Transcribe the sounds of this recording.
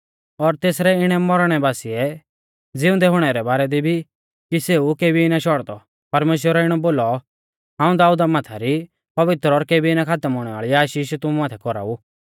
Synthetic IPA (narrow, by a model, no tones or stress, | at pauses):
ɔɾt̪eːsɾɛɪɽ̃ɛmɔɾɽ̃ɛbaːsiɛ | d͡zɪʊ̃d̪ɛɦʊɽ̃ɛɾɛbaːɾɛd̪ibʱi | kiseːukeːbʱiɪnaʃɔɽd̪ɔ | pɐɾmeːʃ̬wəɾɔɪɽ̃ɔboːlɔ | ɦãːũd̪aːuːd̪amaːt̪ʰaɾi | pɐʋɪt̪ɾɔɾkeːbiɪnãkʰaːt̪əmɦʊːɽ̃ɛʋa̰ːɭiaːʃiːʃt̪ʊmumaːt̪ʰɛkɔɾa̰u